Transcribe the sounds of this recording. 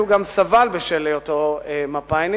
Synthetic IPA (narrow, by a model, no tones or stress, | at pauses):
uɡamsavalbeʃelejot̪oemapajn